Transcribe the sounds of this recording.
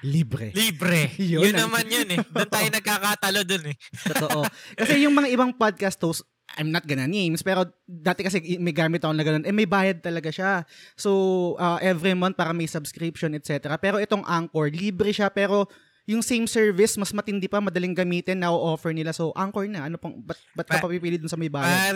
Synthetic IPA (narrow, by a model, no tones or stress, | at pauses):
liːbɾɛ̰libɾɛjojʊnɐmanjonɛd̪ʊnt̪aːjjoŋnɐɡ̚kaːkat̪ɐlod̪onɛt̪ooʔʔo̞kɐsɛjʊŋmɐŋaʔɪbaŋpod̪̚kɐst̪ːows | ʔa̰jmnɐt̪̚ɡɐnɐnejmspɛːɾo̞d̪aːt̪ɛkɐs̬ɛmɐjɡaːmɪt̪̚ːɐkonɐɡɐno̞nʔɛmɐjbaːjɐd̪̚t̪ɐlɐɡaʃasowʔɐːʔɛvɾimɐnt̪̚paːɾɐmɐjsɐbskɾipʃonɛt̪̚sɛt̪ɛɾɐpɛːɾoʔɛt̪o̞ŋʔaŋkoɹliːbɾɪʃapɛːɾo̞ | jʊŋsejmsɛɹvɪsmɐsmɐt̪ɪnd̪ɪpɐmɐd̪ɐlɪŋɡɐmiːt̪ɛnːɐʔoʔoːfɛɹnɪlaso̞ʔaŋkoɹnɐʔɐnopɐbɐt̪̚bɐt̪̚kkɐpɐpipiːlɪd̪ʊnsɐmɐjbaːjad̪